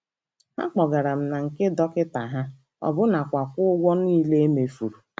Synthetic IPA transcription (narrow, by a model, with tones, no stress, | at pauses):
ha̰˦k͡pɔ˨ɡa˨ɾa˨m̩˨na˨ŋ̩˨ke˦dɔ˦kɪ˦ta˨ɦa˦ | ɔ̰˨bʊ˦na˨kʷa˨kʷʊ˦ʊ˦ɡʷɔ˦niː˦le˦e˦me˨fu˨ɾu˨